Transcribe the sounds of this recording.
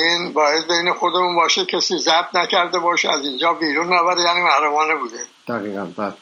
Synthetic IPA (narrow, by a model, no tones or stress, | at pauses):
iːnbɒːjed̪beinexod̪emunbɒːʃecʲʰesiːzæb̚t̪næcʰæɾd̪ebɒːʃeæzind͡ʒɒːbiːɾunːæbæɾejæːniːmæhɾumɒːnebuːd̪e | d̪̥æɣiːɣæ̰nbal